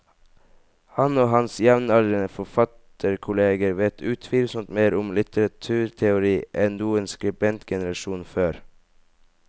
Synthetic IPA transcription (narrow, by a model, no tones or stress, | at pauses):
hɑnoːhɑnsjɛʋnɑlənəfɔfɑt̪ʰəɾkʰʊleːɡəɾʋɛt̪ʰʉːt̪ʰʋiːlsənt̪meːɾʊmlɪt̪əɾɑt̪ʰʉːɾt̪ʰɛʊɾiːʔɛnnuːənskɾɪbɛnt̪ɡɛnəɾɑʃuːnføːɾ